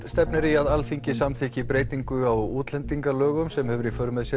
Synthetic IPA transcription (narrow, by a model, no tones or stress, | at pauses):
t̪st̪ɛpnɪɾiaðalfiɲcɪsamθɛːhcɪpɾeːjt̪iŋkʏawuːt̪lɛnt̪iŋkalœːɣʏmsɛmhɛvʏɾifœɾmɪðsjɛ